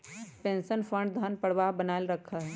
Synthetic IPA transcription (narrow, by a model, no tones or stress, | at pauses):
pẽːnsənfʰə̃ɳɖd̪ʱənpəɽ̤ʋaɦbənaːɪlɾəkʰːaɦɛː